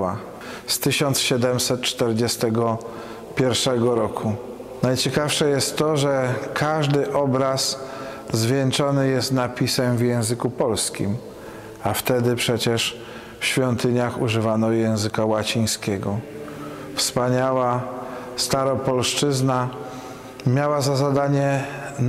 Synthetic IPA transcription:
a | st̪ɘɕɔnt̪sɕɛd̪ɛmsɛt̪̚t͡ʂt̪ɛɾd͡ʑɛst̪ɛɡɔ | pʲjɛɾfʂɛɡɔɾɔkʰu | najt͡ɕɛkafʂɛjɛst̪ːɔʐɛkʰaʐd̪ɘʔɔbɾas | zvʲjɛnt͡ʂɔnɘjɛst̪napʲisɛmvʲjɛ̃w̃zɘkupɔlskʲḭm | aft̪ɛd̪ɘpʂɛt͡ɕɛʂ | fɕfʲjɔnt̪ɘɲaxuʐɘvanɔjɛ̃w̃zɘkawat͡ɕij̃skʲɛɡɔ | fspaɲawa | st̪aɾɔpɔlʂt͡ʂɘzna | mʲjawazazad̪aɲɛ

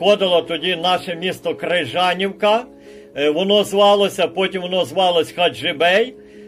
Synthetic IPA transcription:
ɔd̪ɪlˠɐt̪ɔdʲinɑʃɛmʲist̪ɔkreʒɑnʲiwkɐ | ʋɔnɔzʋɑlˠɔsʲɐpɔtʲimʋɔnɔzʋɑlˠɔsʲxɐʒɪbɛj

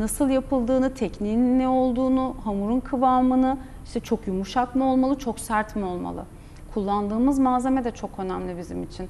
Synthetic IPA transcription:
nasɯlˠjapʰɯlˠd̪ɯːnɯt̪ʰɛcniːnnɛo̞lˠd̪uːnuɦamuɾunkʰɯvaːmɯnɯ | iʃt̪ʰɛt͡ʃʰo̞kjumuʃakmio̞lˠmalˠɯt͡ʃʰo̞ksæɾt̪mio̞lˠma̰lˠɯ̰ | kʰulˠːand̪ɯːmɯzmaːze̞med̪ɛt͡ʃʰo̞kø̞næmlʲibizimit͡ʃʰin

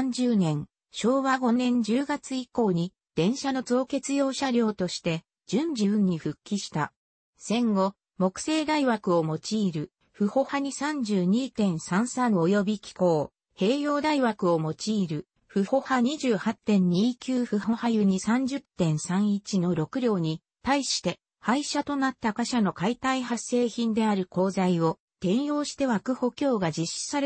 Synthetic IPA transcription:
ɲ̟d͡ʑɨːnẽ̞ŋ̃ | ɕo̞ːβaɡo̞nẽ̞ɲd͡ʑɨːɡat͡sɨiko̞ːɲ̟i | d̪̥ẽ̞ɰ̃ɕano̞zo̞ːke̞t͡sɨjo̞ːɕaɾʲjo̞ːt̪o̞ɕi̥t̪e̞ | d͡ʑɨ̃ɲd͡ʑibɯ̟̃ɲ̟ːiɸɯ̟kʲːiɕi̥t̪a | sẽ̞ŋɡo̞ | mo̞kɯ̟̥se̞ːd̪aiβakɯ̟omo̞t͡ɕiːɾɯ̟ | ɸɯ̟ho̞haɲ̟isãɲd͡ʑɨːɲ̟iːt̪ẽ̞ɰ̃sãɰ̃sãɰo̞jo̞bʲikʲi̥ko̞ː | he̞ːjo̞ːd̪aiβakɯ̟o̞mo̞t͡ɕiːɾɯ̟ | ɸɯ̟ho̞haɲiʑɨːhat̪ːẽ̞ɲ̟ːiːkʲɨːɸɯ̟ho̞hajɯ̟ɲ̟isãɲ̟d͡ʑɨt̪ːẽ̞ɰ̃sãɰ̃it͡ɕino̞ɾo̞kɯ̟ɾʲjo̞ːɲ̟i | t̪aiɕi̥t̪e̞ | haiɕat̪o̞nat̪ːakaɕano̞kait̪aiɦase̞ːçĩnd̪e̞aɾɯ̟ko̞ːzaio̞ | t̪ẽ̞ɰ̃jo̞ːɕi̥t̪e̞βakɯ̟ho̞kʲo̞ːɡad͡ʑiɕːi̥saɾ

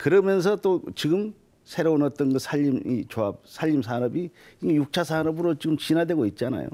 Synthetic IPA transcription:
kɯɾʌmjʌns̬ʰʌt͈ot͡ɕiɡɯm | sʰe̞ɾounʌt̚t͈ʌnɡɯsʰaʎːimit͡ɕoap̚sʰaʎːims̬ʰaɾʌbiiŋejuk̚t͡ɕʰasʰanʌbɯɾot͡ɕiɡɯmt͡ɕinadwe̞ɡoit̚t͡ɕ͈ana̰jo̰

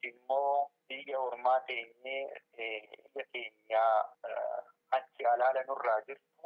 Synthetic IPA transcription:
ɪmːo̞ːb̥iːjɐhɔɾmaːt̪eːɲːeː | jɐke̞ːɲːaː | hɐnt͡ʃɪʔɐlaːlɐnʊrːaːd͡ʒɪɾt̪ʊ

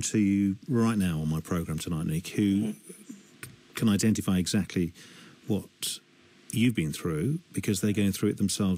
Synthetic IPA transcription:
mtʰɨjʉɹaɪʔⁿnaʊə̃nmaɪpʰɹ̥əʊɡɹæ̃mtʰənaɪtⁿnikhʉ | kʰə̃naɪdɛ̃ntɪfaɪɨɡzæk̚tʰˡliwʌt͡ʃ | ɨvbĩnθɹʉb̥ɨkʰʌzðəɡoʊɪ̃ŋθɹʉɨʔ̪̚ðə̃m̩sɛlˠv

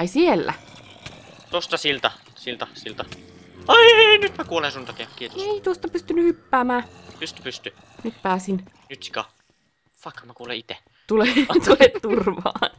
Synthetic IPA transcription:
isielːæ̰ | t̪ost̪ɑsilt̪ɑ | silt̪ɑsilt̪ɑ | ɑinyt̪mækuolesunt̪ɑkeɑkiet̪oseit̪uost̪ɑpyst̪ynːyhypːæːmæːyst̪ɑ̥pyst̪y | nyt̪pæːsin | nyt̪si̥kɑ | fɑkːmækuːlḛit̪e | t̪ulet̪ulet̪t̪urʋɑ̰ːn

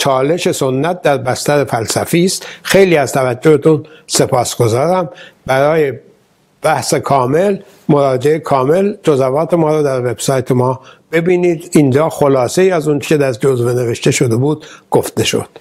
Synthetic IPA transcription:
t͡ʃʰɒːle̞ʃe̞sonːæt̪̚d̪æɾbæst̪æɾefælsæfiːst̪xe̞jliːæzt̪ʰævæd͡ʒːo̞het̪ʰunse̞pʰɒːsɡ̥o̞zɒːɾæmbæɾɒːje̞ | b̥æhsekʰɒːme̞l | mo̞ɾɒːd͡ʒeekʰɒːme̞ld͡ʒozævɒːt̪ʰe̞mɒːɾɒːd̪æɾve̞b̥sɒːjt̪ʰemɒːb̥e̞biːniːd̪ind͡ʒɒːxo̞lɒːse̞iːæzunt͡ʃʰe̥cʰed̪æɾd͡ʒozvene̞ve̞ʃt̪e̞ʃo̞d̪e̞buːd̪̥ɡ̥oft̪e̞ʃo̰d̪̥

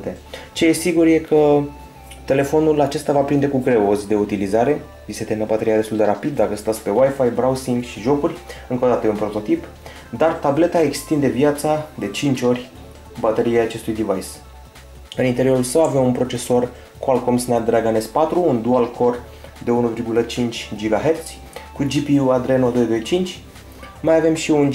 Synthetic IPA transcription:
t̪e | t͡ʃe̞jesiɡurje̞kʰə | t̪e̞le̞fo̞nulat͡ʃe̞st̪avapɾind̪e̞kuɡɾe̞ozʲd̪e̞ut̪ilizaɾe̞ | vise̞t̪enəbat̪e̞ɾiad̪e̞st̪uld̪e̞ɾapid̪̚ːakəst̪at̪sʲpe̞wajfajbɾawsiŋɡʃiʒo̞kuɾʲɨŋkod̪at̪əunpɾo̞t̪o̞t̪ip | d̪art̪able̞t̪ae̞kst̪ind̪e̞vjat̪sad̪e̞t͡ʃint͡ʃʲo̞ɾʲ | bat̪e̞ɾiejat͡ʃe̞st̪ujd̪ivajs | ɨnint̪e̞ɾio̞ɾulsəwave̞munpɾo̞t͡ʃe̞so̞r | koalko̞msnad̪ɾaɡane̞spat̪ɾuːnd̪ualkʰo̞r | d̪e̞unuvirɡulət͡ʃint͡ʃʲd͡ʒiɡaɦe̞rt̪sʲ | kud͡ʒipiuad̪ɾenod̪o̞jd̪o̞jt͡ʃint͡ʃʲ | majave̞mʃiun

